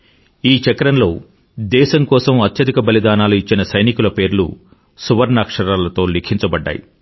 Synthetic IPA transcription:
iːt͡ʃɐkɾɐnlo̞ː | d̪ɛːʃɐmkɔːsɐmɐt̪jɐd̪ikɐbɐlid̪aːnaːluit͡ʃːinɐsɐjnikulɐpe̞ːɾlṵ | suʋɐɾnaːkʂɐɾaːlɐt̪o̞ːlikʰiɲt͡ʃɐbɐɖːa̰ːjḭ

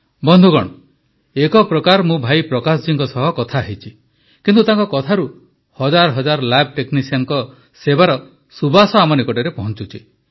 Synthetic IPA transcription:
bɔnd̪ʱuɡɔ̰ɽ̃ɔ | ekɔpɾɔkaɾmũbʱajpɾɔkas̬d͡ʒiŋkɔsɔɦɔkɔt̪ʰaɦit͡ʃʰi | kint̪ut̪aŋkɔkɔt̪ʰaɾu | hɔd͡ʒaɾɦɔd͡ʒaɾlab̚ʈeknisiaŋkɔ | sebaɾɔ | subasɔamɔnikɔʈeɾepɔɦɔnt͡ʃut͡ʃʰi

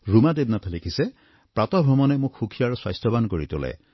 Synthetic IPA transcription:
ɹumadeb̚nat̪ʰalekʰisɛ | pɹatɔbʱɔmɔnɛmʊkxukʰijaɹswajstɔbankoɹitʊ̰lɛ̰

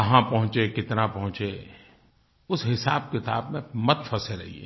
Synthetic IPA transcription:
ɐɦãpɐɦʊ̃t͡ʃekɪt̪nãpɐɦʊ̃t͡ʃe | ʊsɦɪsaːb̚kɪt̪aːbmẽmɐt̪fʰɐseɾɐɦḭḛː

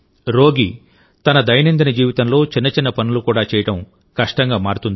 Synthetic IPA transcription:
ɾo̞ːɡi | t̪ɐnɐd̪ɐjɐnind̪inɐd͡ʒiːʋit̪ɐmlo̞ːt͡ʃinːɐt͡ʃinːɐpɐnulukuːɽaːt͡ʃɛːjɐʈɐm | kɐʂʈɐŋɡaːmaːɽut̪und̪i

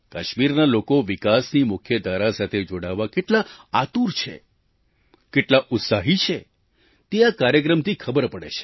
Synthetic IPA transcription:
kəʃmiɾnalokoʋikasnimʊkʰjəd̪ʱaɾasat̪ʰed͡ʒoɽaʋːakeʈlaat̪uɾt͡ʃʰḛ | keʈlaʔʊt̪saɦit͡ʃʰe | t̪eakaɾjək̬ɾəmt̪ʰikʰəbəɾpəɽḛt͡ʃʰe̥

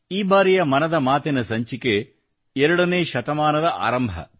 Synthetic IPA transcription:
iːbaːɾijɐmɐnɐd̪ɐmaːt̪inɐsɐɲt͡ʃike | ɛɾɐɽɐneːʃɐt̪ɐmaːnɐd̪ɐʔa̰ːɾɐmbʱɐ̰

